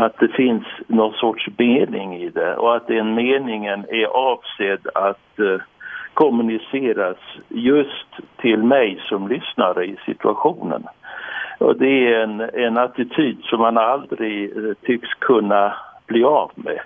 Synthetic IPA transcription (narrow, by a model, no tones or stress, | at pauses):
at̪̚d̪ɛfɪnsnɔnsɔʈʂbeːnɪ̰ŋɪd̪ɛɔ̰at̪̚d̪ɛnmeːnɪŋənɛɾʔɑːvseːd̪at̪ | kʰɔmɵnɪseːɾasjɵst̪ʰːɪlmɛjsɔmlʏsnaɾəɪsɪ̰t̪ʰʉaɧuːnə̰n | ɔ̰d̪ɛæɾɛnɛnat̪ɪt̪ʰyːd̪sɔmhanald̪ɾɪɡt̪ʰʏkskʰɵnːab̥liːaːvmɛ̰